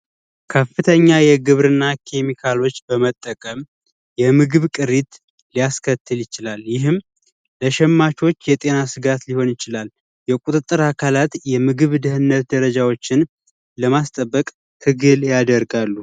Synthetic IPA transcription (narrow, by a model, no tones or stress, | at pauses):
kʰəfːɨt̪ʰəɲːajɛɡɨβɾɨnːakʰe̞mikʰalo̞t͡ʃːbəmət̪ʼːəkʼəm | jɛmɨɡɨβkʼɨɾit̪ | lijaskʰət̪ːɨljɪt͡ʃɪlaljɪɦɨm | ləʃɛmːat͡ʃo̞t͡ʃːjɛt̪ʼe̞nasɨɡat̪liho̞njɪt͡ʃɪlal | jɛkʼut̪ʼɨt̪ʼːɨɾakʰalat̪jɛmɨɡɨβd̪ɨhɨnːət̪d̪əɾəd͡ʒawo̞t͡ʃːɪn | ləmast̪ʼəbːəkʼ | hʰɨɡɨljad̪əɾɡalːu